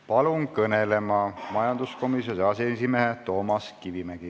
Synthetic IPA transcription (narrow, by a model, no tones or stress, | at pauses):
pɑlunkɤnele̞mɑmɑjɑnd̪usko̞misjoseɑsenʲsimeɦet̪o̞ːmɑskivimæɡ̥i